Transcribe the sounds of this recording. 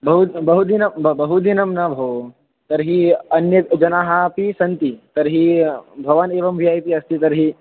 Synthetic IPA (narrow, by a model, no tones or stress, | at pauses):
bɐɦubɐɦud̪inɐmbɐɦud̪inɐmnɐbʱɐʋ | t̪ɐɾɦiɐnjɐd͡ʒɐnaːɦapisɐnt̪it̪ɐɾɦibʱɐʋɐneːʋɐmʋʱiaːjp̪iɐst̪it̪ɐɾɦi